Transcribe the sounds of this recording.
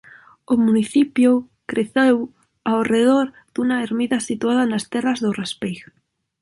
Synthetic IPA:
ʊmuniθipjʊ | kɾeθew | awreðoɾ | d̪̥unaeɾmiðasit̪uaðanast̪ɛrazðʊrespejɣ

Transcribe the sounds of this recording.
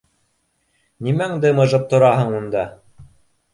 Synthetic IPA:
nimæŋd̪ɘmɤ̆ʒɤp̚t̪ŏɾɑɦɤɴund̪ɑ

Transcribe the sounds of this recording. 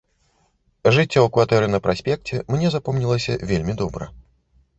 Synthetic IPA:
ʐɨt͡sʲːawkvat̪ɛɾɨnɐpɾasʲpʲɛk̚t͡sʲɛmnʲɛzapɔmnʲilˠɐsʲɐ̰vʲelʲmʲid̪ɔbɾɐ̰

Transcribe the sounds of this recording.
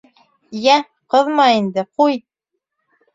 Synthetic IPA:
jæ | qɤ̆ðmɑind̪ɘquj

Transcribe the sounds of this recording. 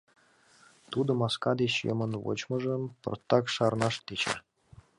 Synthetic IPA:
t̪ud̪ɤ̆mɑskɑd̪et͡ɕjə̰mənvo̰t͡ɕmɤ̆ʒə̆mpɤ̰rt̪ːɑkʃɑrnɑʃt̪et͡ɕḛ

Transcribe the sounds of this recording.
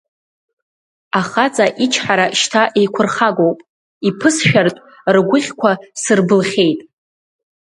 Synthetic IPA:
aχat͡sʼaʔit͡ʃʰħaɾaʃtʰaʔe̞jkʷʰʊrχaɡo̞wpʼ | ipʰɨsʃᶣartʼ | rɡʷʊχʲkʷʰasɨrbɨlχʲe̞jtʼ

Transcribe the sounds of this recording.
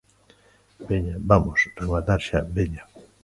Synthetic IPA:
beɲabamosreɣwaɾðaɾʃabeɲa

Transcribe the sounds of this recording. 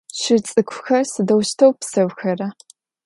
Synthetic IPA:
ɕɪt͡sʼɨkʷʰʊxɐrsɨdɐwʃtʰɐwpsɐwxɐrɐ

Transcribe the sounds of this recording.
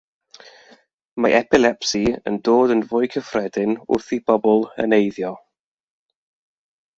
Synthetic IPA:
maʔɛpʰɪlˠɛpsiə̰ndoːdənvʊɨkʰəfrɛdɪnʊ̰rθibɔbɔlˠə̰nejðjɔ

